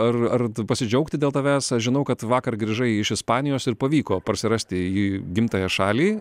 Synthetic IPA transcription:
ɐrɐrpɐsʲɪd͡ʒʲɛʊkt̪ʲɪd̪ʲeːlˠt̪ɐːʋʲæːsʒʲɪnɐʊkɐt̪ʋɑːkɐrɡɾʲiːʒɐɪɪʃɪspɑːnʲɪjoːsɪɾpɐʋʲiːkoːpɐɾʲsʲɪɾɐsʲt̪ʲɪjiːɡʲɪmt̪ɐːjɛʃɑːlʲiː

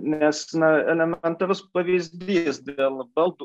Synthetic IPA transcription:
nʲæsnɐɛlʲɛmʲɛnt̪ɐɾʲʊspɐʋʲizʲd̪ʲijɛsd̪ʲeːlˠbɐlˠt̪u

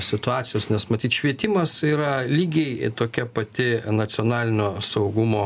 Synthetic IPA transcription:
sʲɪt̪ʊɑːtsʲɪjoːsnʲɛsmɐt̪ʲiːt̪ʃʲʋʲiɛt̪ʲɪmɐsiːɾɐlʲiːɡʲɛɪt̪oːkʲɛpɐt̪ʲɪnɐt͡s̪ʲɪoːnɑːlʲɪnʲoːsɐʊɡʊmoː

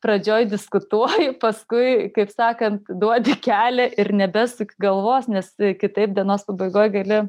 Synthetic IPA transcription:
pɾɐd͡ʒʲoːjdʲɪskʊt̪uɔjɪpɐskʊɪkɐɪpsɑːkɐnt̪d̪uɔd̪ʲɪkʲæːlʲɛʔɪɾnʲɛbʲɛsʊkʲɡɐlˠʋoːsnʲɛskʲɪt̪ɐɪp̚d̪ʲiɛnoːspɐbɐɪɡoːjɡɐlʲɪ

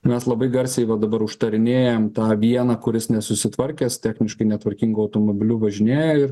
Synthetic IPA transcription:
mʲɛslˠɐbɐɪɡɐɾʲsʲɛɪʋɐd̪ɐbɐɾʊʃt̪ɐɾʲɪnʲeːjɛmt̪ɑːʋʲiɛnɐːkʊɾʲɪsnʲɛsʊsʲɪt̪ʋɐɾʲkʲɛːst̪ʲæːxʲnʲɪʃkɐɪnʲɛt̪ʋɐɾʲkʲiŋɡoːɐʊt̪oːmobʲɪlʲuːʋɐʒʲɪnʲeːjɛɪr

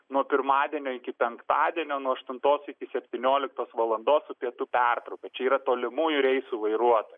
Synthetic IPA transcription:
nuɔpʲɪɾmɑːd̪ʲiɛnʲoːɪkʲɪpʲɛŋkt̪ɑːd̪ʲiɛnʲoːnuɔɐʃt̪ʊnt̪oːsɪkʲɪsʲɛpʲt̪ʲɪnʲoːlʲɪk̚t̪oːsʋɐlˠɐnd̪oːssʊpʲiɛt̪upʲært̪ɾɐʊkʲɐt͡ʃʲɛiːɾɐt̪oːlʲɪmuːjʊɾʲɛɪsuːʋɐɪɾuɔt̪oːj

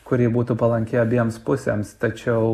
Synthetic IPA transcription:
kʊɾʲiːbuːt̪uːpɐlˠɐŋʲkʲeːɐbʲiɛmspʊsʲḛmst̪ɐt͡ʃʲɛʊ

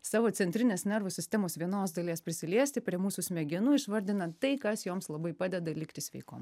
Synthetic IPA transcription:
sɑːʋoːsʲɛnʲt̪ʲɾʲɪnʲeːsnʲɛɾʋoːsʲɪsʲt̪ʲɛmoːsʋʲiɛnoːsd̪ɐlʲiɛspʲɾʲɪsʲɪlʲiɛsʲt̪ʲɪpʲɾʲiɛmuːsusʲmʲɛɡʲɪnuːɪʃʋɐɾʲd̪ʲɪnɐt̪ɐɪkɐsjoːmslˠɐbɐɪpɑːd̪ʲɛd̪ɐlʲɪkt̪ʲɪsʲʋʲɛɪko̰ːm

